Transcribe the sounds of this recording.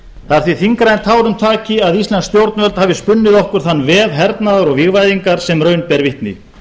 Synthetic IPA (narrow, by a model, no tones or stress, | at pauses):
θaaɾθviθiŋkɾajnt̪ʰaːwɾʏmt̪ʰaːcɪaðist̪lanst̪jowɾt̪nvœlt̪haːvɪspʏnːɪðɔhkʏɾ̥θanːvɛːðɦɛɾt̪naðaɾɔɣviɣvajðiŋkaɾ̥sɛmrœːɥnpɛɾvɪht̪nɪ̰